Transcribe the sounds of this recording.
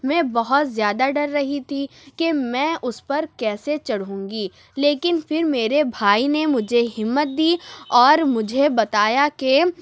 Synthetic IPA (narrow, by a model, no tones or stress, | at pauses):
mɛ̃ːbɐɦɔt̪zjaːd̪aɖɐɾːɐɦit̪ʰikemɛ̃ːʔʊspɐɾkɛːset͡ʃɐɽɦũːŋɡiː | leːkɪnfɪɾmeːɾebʱaːinemʊd͡ʒʱeɦɪmːət̪̚d̪iːɔːɾmʊd͡ʒʱebɐt̪aːjake